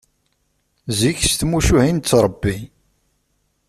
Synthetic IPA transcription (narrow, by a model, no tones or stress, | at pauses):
ziçst̪muʃuhint͡sːɾˤəbːi